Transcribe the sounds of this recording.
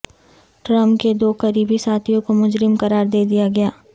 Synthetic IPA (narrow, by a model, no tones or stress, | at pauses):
ʈɾə̃mpked̪oːqɐɾiːbisaːt̪ʰijõkomʊd͡ʒɾɪmkɐɾaːɾd̪eːd̪ijaɡɐjaː